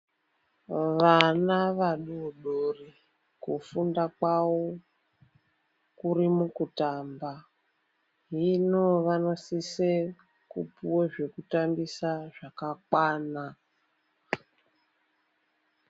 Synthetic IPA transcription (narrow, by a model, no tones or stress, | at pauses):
ʋanaʋaɗuɗori | kufundakwawo | kuɾimukutamba | ɦinoʋanosise | kṵpuweʐe̞kutambisaʐakakwaːna